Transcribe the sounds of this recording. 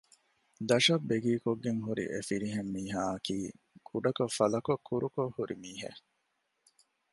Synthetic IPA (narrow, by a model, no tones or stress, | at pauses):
d̪ɐʃɐbːeɡiːkoɡːeŋɦuɾḭʔefiɾiɦemːiːɦaːɐkiː | kʰuɖɐkɐfɐlɐkokʰːuɾukohuɾimiːɦḛ